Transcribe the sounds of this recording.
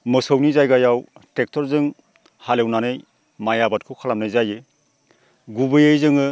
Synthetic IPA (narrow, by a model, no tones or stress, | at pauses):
mɯsəwnizajɡajawtek̚tʰɔɾzɯŋ | halewnanɯj | majabat̚kʰɯwkʰalamnɯjzajɯ | ɡubɯjɯjzɯŋɯ